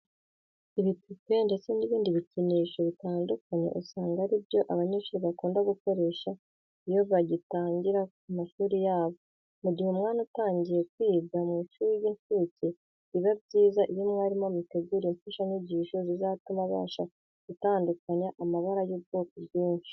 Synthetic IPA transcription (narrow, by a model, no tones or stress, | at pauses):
iβitupe̞nde̞t͡se̞niβiːndiβiciniːʃo̞βitaːndukaɲḛʔusaːŋɡaɾibjo̞ʔaβaɲiːʃuɾiβakuːndaɡuko̞ɾe̞ːʃa | ijo̞βaɟitaːɲɟiɾakumaʃuːɾijaːβo̞ | muɟihumŋaːnutaːɲɟije̞k̚wiːɡamiʃujiɱfice | iβabɟiːzaʔijomŋaːɾimomiteɟiɾiɱfaʃaniɟiʃozizatumaβa̰ːʃa | ɡutaːndukaɲaʔamaβaɾajuːbɡokobjiːnt͡ʃi̥